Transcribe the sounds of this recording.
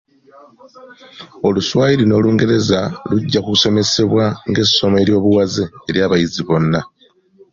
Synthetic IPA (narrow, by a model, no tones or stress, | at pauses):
o̞luswaːjiɾino̞ːluːŋɡe̞ɾe̞zaluɟːakuku̥so̞me̞se̞βwaŋɡe̞sːo̞me̞ɾjo̞ːβuwazeːɾjaːβajiziβo̞nːa